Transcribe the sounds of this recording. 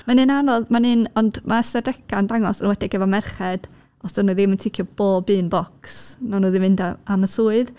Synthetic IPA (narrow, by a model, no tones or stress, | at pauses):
manɨnanɔðmanɨnɔndmʔaəsɛdɛkʰandaŋɔsanwɛdɪɡɛvɔmɛrχɛd̥ | ɔsd̥ɔnuðɪməntʰɪkʰjɔb̥oːbɨːnbɔksnɔnuːðɪmvɪndaaməsuːɨð